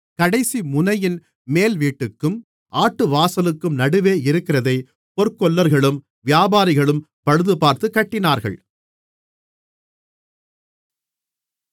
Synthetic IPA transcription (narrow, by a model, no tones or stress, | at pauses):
kɐɽɐɪsimʊnɐjɪn | meːlʋiːʈːɯkːɯm | ʔaːʈːɯʋaːsɐlɯkːɯmnɐɽɯʋeːɪɾɯkːɪrɐðɐɪ | pɔɾkːɔɭːɐɾɣɐɭɯm | ʋɪjaːbaːɾɪɣɐɭɯm | pɐɻɯðɯpaːɾt̪ɯkːɐʈːɪnaːɾɣɐ̰ɭ